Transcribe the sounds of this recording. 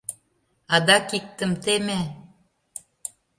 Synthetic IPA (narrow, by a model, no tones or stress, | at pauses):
ɑd̪ɑkik̚t̪ə̆mt̪emæ